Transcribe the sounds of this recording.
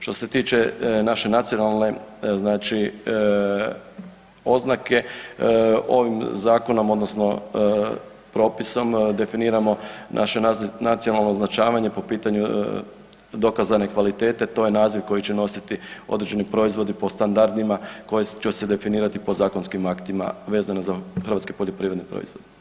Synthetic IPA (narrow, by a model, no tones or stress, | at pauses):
ʃt̪o̞se̞t̪iːt͡ʃe̞naʃe̞nat̪sijo̞nalˠne̞znaːt͡ʃi | o̞znake̞ | o̞̰ʋimzaːko̞no̞mo̞d̪no̞sno̞ | pɾo̞ːpiso̞md̪e̞finiːɾamo̞nʔa̰ʃenat̪sijo̞nalˠno̞ːznat͡ʃaːʋaɲe̞po̞piːt̪aɲu | d̪o̞kazane̞kʋalit̪e̞ːt̪e̞t̪o̞ːjenaːziʋko̞jit͡ɕeno̞sit̪io̞̰d̪ɾed͡ʒe̞nipɾo̞izʋo̞d̪ipo̞st̪and̪aɾd̪imako̞jet͡ʃese̞d̪e̞finiːɾat̪ipo̞zaːko̞nskimakt̪ima̰ʋe̞ːzanozaxɾʋat̪ske̥po̞ʎo̞pɾiːɾed̪nepɾo̰izʋo̞̰d̪i